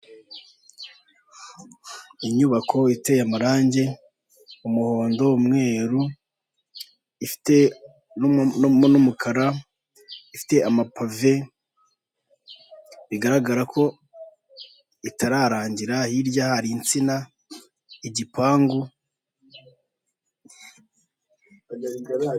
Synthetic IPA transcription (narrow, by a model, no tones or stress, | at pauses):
iɲuβakʰo̞itejamaɾaːɲɟe̞ | umuho̞ːndo̞umŋe̞ːɾu | ifi̥te̞ | mnumukʰaɾa | ifi̥te̞amapʰave̞ | βiɡaɾaɡaɾakʰo̞ | itʰaɾaɾaːɲɟiɾahiɾɟjahaɾiːnt͡sina | iɟipaːŋɡu